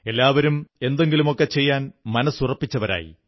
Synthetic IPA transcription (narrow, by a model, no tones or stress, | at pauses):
e̞lːaːʋɐɾume̞nd̪e̞ŋɡilumo̞kːe̞t͡ɕe̞jːaːnmɐnɐsurɐpːit͡ɕːɐʋɐɾa̰ːjḭ